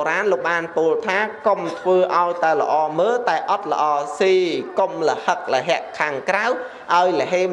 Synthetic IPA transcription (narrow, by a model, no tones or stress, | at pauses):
ɾaːnloːk̚ɓaːnpuəlt̪ʰaːkomt̪ʰʋəːʔaɔjt̪aɛlə̆ʔɑːməːlt̪aɛʔɑt̪̚lə̆ʔɑːsiːkomlə̆hək̚ləɦɛ̆əʔkʰːaːŋkraw | ʔaɔjlə̆ɦeː